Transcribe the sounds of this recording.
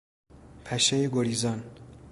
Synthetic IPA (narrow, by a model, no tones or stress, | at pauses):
pʰæʃejeɡoɾiːzɒn